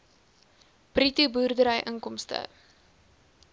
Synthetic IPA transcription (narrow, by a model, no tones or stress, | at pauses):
b̥ritubuːrdəɾəjʔəŋkɔmstə̰